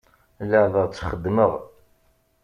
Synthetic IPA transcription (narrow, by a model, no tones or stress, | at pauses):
lːəðəʁt͡sːχəd̪ːməʁ